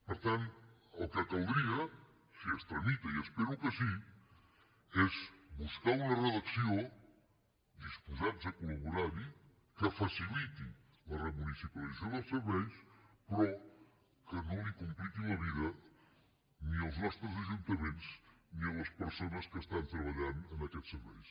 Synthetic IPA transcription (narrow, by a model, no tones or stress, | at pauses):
pəɾt̪ant̪əlˠkəkalˠd̪ɾiɐ | siəst̪ɾɐɲit̪ɐiəspɛɾukəsi | ɛzβuskaɾunɐrəðɐksio | d̪ispuzatzɐkulɐβuɾaɾi | kəfasilit̪i | ləremunisipɐlizoðəlˠsəɾβɛjspɾɔ | kənõlikumpɾit̪ilɐβiðɐ | niəlˠznɔst̪ɾəzɐʒunt̪ɐmẽnsniələspəɾsonɐskəst̪ant̪ɾəβ̞ɐʎanənɐkɛt̪səɾβɛ̰js